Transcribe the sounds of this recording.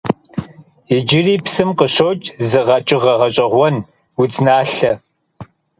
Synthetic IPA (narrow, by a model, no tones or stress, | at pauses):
ɪd͡ʒɪriːpsɨmqəɕowt͡ʃʼzɨʁɐt͡ʃʼɪʁɐʁɐɕʼɐʁʷɔn | ut͡sʼnaːɬɐ